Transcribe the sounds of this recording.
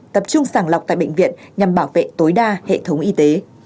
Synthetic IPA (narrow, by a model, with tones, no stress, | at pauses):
t̪ə˨˩p̚t͡ɕʊ˧ŋ͡msaː˧˩ŋla˨˩k͡p̚t̪a̰ː˧˨jɓə̰˧˨jŋ̟vḭ˧˨ənɲa˨˩mɓaː˧˩wvḛ˧˨t̪o˨˦jɗaː˧hḛ˧˨t̪ʰə˨˦wŋ͡mʔi˧t̪e˨˦